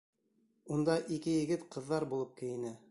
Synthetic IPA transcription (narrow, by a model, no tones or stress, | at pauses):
und̪ɑʔikɘjɘ̆ɡɘt̪qɤ̆ðːɑɾbulˠɤp̚kɘ̆jɘ̆nɘ